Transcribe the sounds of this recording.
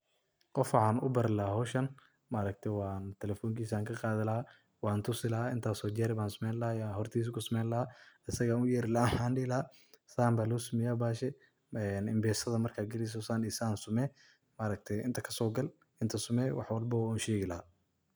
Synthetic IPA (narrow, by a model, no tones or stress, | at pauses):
qɔfʕaːnʊ̰bɐɾɪlɐaɦɔʃɐn | maɾɐk̚t̪ʰɛwaːnt̪ʰɛlɛfɔːŋkʰiːsaːŋkʰɐqɑːðɪlɐha | wɑːnt̪ʰʊsɪlɐɦaɪnt̪ʰaːsɔːd͡ʒɛɾɪβaːnsʊmɛjnlɐhaːjaːɦɔrt̪ʰiːs̬kʰʊsɐmɛːnlɐhaɐsɐɣanʊjɛːɾɪlɐaħaːnɖiːlɐa | saːmbaːlʊʊsʊmɪjaːbaːʃɛ | ɛnɪmbɛːsɐðɐmɐrkʰaːɡɪlɪs̬ɔsaːnɪsaːnsʊmɛː | maɾɐk̚t̪ʰɛjɪnt̪ʰɐkʰɐ̥sɔːɡɐl | ɪnt̪ʰɐsʊmɛːwɑ̰ħwɑlbɐwunʃɛːɣɪlɐha